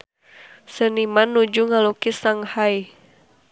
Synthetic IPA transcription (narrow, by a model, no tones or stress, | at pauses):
sənimanːud͡ʒuŋalukisaŋhaj